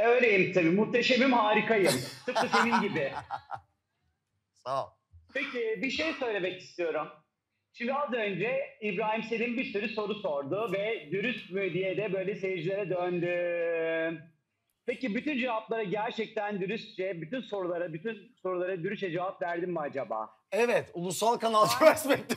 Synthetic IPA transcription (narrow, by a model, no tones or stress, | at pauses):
øɥlʲe̞jimt̪ʰabiːmuht̪ʰeʃemimhaːɾikajɯmt̪ɯp̚kɯse̞ninɟibɪ | pecɪbiʃe̞jsø̞jlʲe̞mɛcist̪ʰijo̞ɾum | ʃimd̪iazø̞nd͡ʒɛibɾaːɦimselʲimbisyɾyso̞ɾuso̞ɾd̪ʊvɛd̪yɾyst̪myd̪ijed̪ɛbø̞jlʲɛsevd͡ʒilʲe̞ɾɛd̪ønd̪y | pecibyt̪ynd͡ʒavaplˠaɾaɟæɾt͡ʃʰɛc̚t̪ʰænd̪yɾyst̪̚t͡ʃɛbyt̪ynso̞ɾulˠaɾabyt̪ʰynso̞ɾulˠaɾad̪yɾyʃɛd͡ʒavapvæɾd̪immad͡ʒaba̰ː | ɛvɛt̪ulˠusalˠkanalˠt͡ʃʰvasmɛt̪ːi